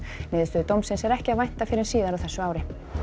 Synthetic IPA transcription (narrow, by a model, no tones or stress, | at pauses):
mɪːðɪst̪ʏðt̪owmsɪnsɛɾɛhcɪaðvajht̪afɪɾɪɾ̥siːðaɾawθɛsːʏaːwɾɪ